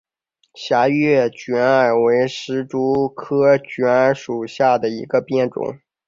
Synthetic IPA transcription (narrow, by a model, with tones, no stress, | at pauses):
ɕja˧˥ɥɛ˥˩t͡ɕɥɛ˧˥na˨˩we˧˥ɪʂɻ̩˧˥ʈ͡ʂu˥kʰɤ˥t͡ɕɥɛ˧˥na˧˥ʂu˨˩ɕja˥˩d̪ə˩ḭ˧˥ɡə˧pjɛ˥˩nʈ͡ʂʊ̰˨˩˦ŋ